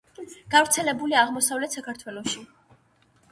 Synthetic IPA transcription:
ɡ̥avɾt̪sʰɛlɛbuliaʁmɔsavlɛt̪ʰsakʰaɾt̪ʰwɛlˠɔʃi

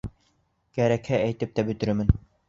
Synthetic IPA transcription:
kæɾækhææjt̪ɘp̚t̪æbɵ̆t̪ɘ̆ɾmɘn

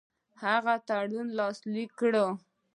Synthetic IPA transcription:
haɣat̪aɽunlɑslikːɽə

